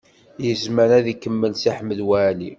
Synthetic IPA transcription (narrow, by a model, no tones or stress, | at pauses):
jəzməɾæðikːəmːəlsiħməðwæːli